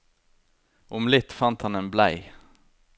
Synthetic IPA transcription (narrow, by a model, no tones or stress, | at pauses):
ʔʊmlɪt̪fɑnt̪hɑneːnblæɪ